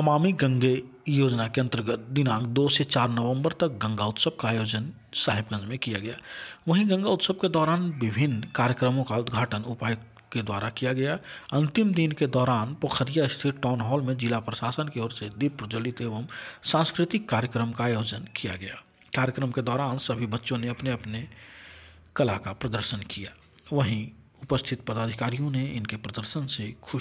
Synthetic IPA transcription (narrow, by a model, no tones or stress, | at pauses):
əmaːmiɡə̃ŋɡe | joːd͡ʒnakeənt̪əɾəɡət̪̚d̪ɪnãːkd̪oːset͡ʃaːɾnəʋə̃mbəɾt̪ək̚ɡə̃ŋɡaʊt̪səb̚ʱkajoːd͡ʒən | saːɦɪb̚ɡə̃nd͡ʒmẽkijaɡɐja̰ːʋəɦĩɡə̃ŋɡaʊt̪səb̚ked̪ɔːɾaːnbɪbʱɪnkaːɾjəkɾəmõkaʊd̪ɡʱaːʈənʊpaːj | ked̪wa̰ːɾakijaɡɐjaɐ̃nt̪ɪmd̪inked̪ɔːɾaːnpokʰəɾijaɪst̪ʰiɾʈɔːnɦɔːlmẽd͡ʒɪlapɾəʃaːsənkeɔːɾsed̪ib̚pɾəd͡ʒəlit̪ebəmsãnskɾɪt̪ɪkːaːɾjəkɾəmkaːjoːd͡ʒənkija̰ɡɐja | kaːɾjəkɾəmked̪ɔːɾaːnsəbʱibətːʃõneəpneəpne | kəlakapɾəd̪əɾʃənkija̰ | ʋəɦĩ | ʊpəst̪ʰɪt̪̚pəd̪aːd̪ʱikaːɾijõneɪnkepɾəd̪əɾsənsekʰʊ